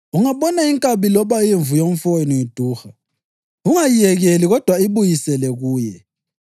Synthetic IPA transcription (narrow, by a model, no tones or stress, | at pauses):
uŋaβɔnaiŋkʼaβilɔβajiɱvujom̩fojnijid̥ʱuːxa | uŋajijɛɣeliɣɔd̥ʱwaiβujisɛlɛɣuːjɛ